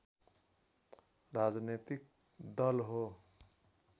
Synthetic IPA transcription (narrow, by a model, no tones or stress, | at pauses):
rad͡znet̪ik̚ | d̪ʌlɦo